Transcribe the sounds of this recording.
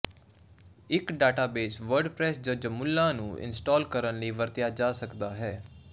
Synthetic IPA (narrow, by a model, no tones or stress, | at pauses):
ɪkɖaːʈaːbeːsʋəɾɖpɾɛːsd͡ʒəd͡ʒmʊlːãːnũːɪ̰nsʈaːlkəɾənləiːʋəɾt̪ɪjaːd͡ʒaːsəkd̪aːɦɛː